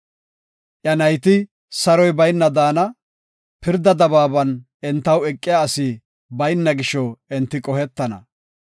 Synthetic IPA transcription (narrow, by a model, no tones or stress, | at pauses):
ʔjɐnɐjt̪ɪ | sɐɾɔjbɐjnːɐd̪aːnɐ | pɪɾd̪ɐd̪ɐbaːbɐn | ɛnt̪ːɐwɛkʼːɪjaːsi | bɐjnːɐɡɪʃɔɛnt̪ːɪkʼɔhɛt̪ːɐnɐ̰